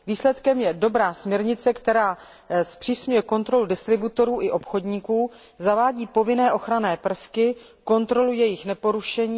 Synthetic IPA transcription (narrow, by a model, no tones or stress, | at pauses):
viːslɛt̪kɛmjɛdo̞bɾaːsmɲɛɾɲɪt͡sɛkt̪ɛɾaː | spr̥iːsɲujɛko̞nt̪ɾo̞ludɪst̪ɾɪbut̪o̞ɾuːʔɪʔo̞pxo̞dɲikuː | zavaːɟiːpo̞vɪnɛːʔo̞xɾanɛːpr̩fkɪ | ko̞nt̪ɾo̞lujɛjɪxnɛpo̞ɾuʃɛɲiː